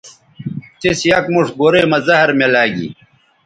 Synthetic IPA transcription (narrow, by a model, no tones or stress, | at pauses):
t̪isjɐkmuʂɡoɾeːmɐzɐhɾmelaːɡḭː